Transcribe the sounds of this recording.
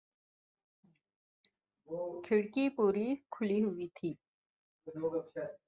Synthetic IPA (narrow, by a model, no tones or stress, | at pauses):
kʰɪɽkipuːɾikʰʊliɦʊiːt̪ʰiː | o